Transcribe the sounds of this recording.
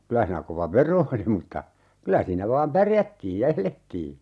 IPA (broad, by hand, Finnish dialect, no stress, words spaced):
kylæ hiːnæː koʋɑ ʋero oli mutːɑ kylæ siːnæ ʋɑːm pærjætːiːj jɑ eletːiː